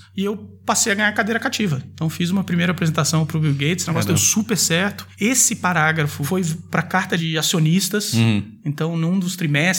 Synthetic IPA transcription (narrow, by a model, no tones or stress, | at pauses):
ɪewpasejɐɡɐ̃ɲaɾkad̪ejɾɐkat͡ʃivɐẽt̪ɐ̃w̃fizũmɐpɾimejɾɐapɾezẽnt̪asɐ̃w̃pɾʊbiwɡejt͡ʃɪsneɡɔsjd̪ejsupeɾsɛɾt̪ʊ̥esɪpaɾaɡɾɐfʊfojpɾɐkaɾt̪ɐd͡ʒɪasionist̪ɐs | ẽnt̪ɐ̃w̃nũd̪ʊst̪ɾimɛs